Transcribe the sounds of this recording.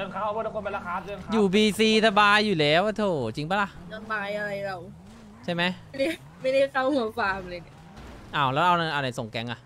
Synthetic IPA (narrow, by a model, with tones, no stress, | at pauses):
ɯ˧˨ŋkʰa˦˥˩wkːa˧˩ku˧npe˧la˦˥kʰːaː˧˥ɯ˧˨ŋjuː˨˩biː˧siː˧sa˧baː˧jːuː˨˩lɛː˦˥wʔa˧t̪ʰoː˧˩t͡ɕi˧ŋba˧˦˥la˧˩na˧baː˧jʔa˧ɾa˧jla˧˩w | t͡ɕʰa˥˩jma˦˥ja˥˩da˥˩ | ma˥˩ja˥˩jka˥˩whɯ˨˦faː˧˩mlɤː˧˩na˧˩ | ʔaː˧˩wlɛː˦˥wʔa˧na˧˩ʔa˧˩na˧jso˨˩ŋkɛ˧ŋʔa˨˩ʔ